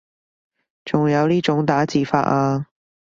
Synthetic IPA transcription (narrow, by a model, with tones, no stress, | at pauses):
t͡sʊ˨˩ŋjɐ˨˧˥wli˥˩ʈ͡ʂʊ˨˧˥ŋt̪aː˨˥t͡ɕiː˨˥fa̰˨˩ʔa˧